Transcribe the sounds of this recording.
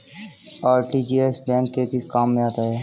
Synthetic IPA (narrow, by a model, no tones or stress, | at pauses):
ɔːɾʈiːd͡ʒiesbɛ̃ːŋkːekɪskaːmːẽaːt̪aɦɛː